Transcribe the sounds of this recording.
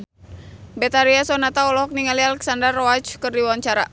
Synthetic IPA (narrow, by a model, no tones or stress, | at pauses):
bɛt̪aɾiasɔnat̪aɔlɔɦɔk̚niŋalialɛksandərːɔat͡ʃkɨrdiwaɲt͡ʃaɾa̰